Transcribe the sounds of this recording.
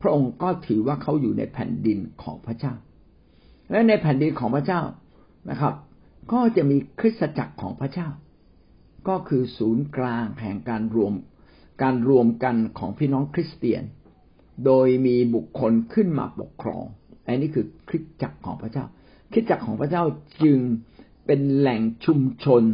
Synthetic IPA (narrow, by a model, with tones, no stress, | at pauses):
pʰɾa˦˥ʔo˧ŋkɔː˥˩t̪ʰɯː˩˦waː˥˩kʰa˦˥wjuː˨˩na̰˧jpʰɛ̰ː˨˩ndi˧nkʰɔ̰ː˩˦ŋpʰɾa˧˥t͡ɕaː˥˩w | lɛ˦˥na˧jpʰɛː˨˦ndi˧nkʰɔː˩˦ŋpʰɾa˧˥t͡ɕaː˥˩w | na̰˦˧˩kʰɾa˦˥p̚ | kɔː˥˩t͡ɕa˨˩ʔmiː˧kʰɾi˦˥t̪̚sa˧t͡ɕa̰˨˩kʰːɔ̰ː˩˦ŋpʰɾa˦˥t͡ɕaː˥˩w | kɔː˥˩kʰɯː˧suː˩˦nklaː˧ŋhɛ̰˨˩ŋkaː˧nɾu˧əm | kaː˧nɾu˧əmka˧nkʰɔ̰ː˩˦ŋpʰiː˥˩nɔː˦˥ŋkʰɾi˦˥st̪ḭ˧ən | doː˧jmiː˧bu˨˩kʰːo˧nkʰɯ˥˩nma̰ː˧po̰˨˩kʰːɾɔ̰ː˧ŋʔa˧niː˦˥˩kʰɯː˧kʰɾi˦˥t̪̚t͡ɕa˨˩kʰːɔː˩˦ŋpʰɾa˧˥t͡ɕaː˥˩w | kʰɾi˦˥t̪̚t͡ɕa˨˩kʰːɔː˩˦ŋpʰɾa˥˩t͡ɕaː˥˩wt͡ɕɯ˧ŋ | pe˧nlɛ˨˩ŋt͡ɕʰu˧mt͡ɕʰo˧n